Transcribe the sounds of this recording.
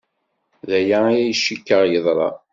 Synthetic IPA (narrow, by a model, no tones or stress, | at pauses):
ðæjaijæjʃːikːəʁjəðˤɾˤɑ̰